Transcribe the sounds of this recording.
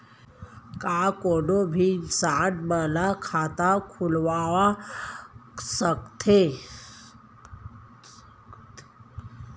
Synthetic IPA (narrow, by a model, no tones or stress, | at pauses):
kakonobʱisaʈməlakʰat̪akʰulʋaʋa | səkt̪ʰe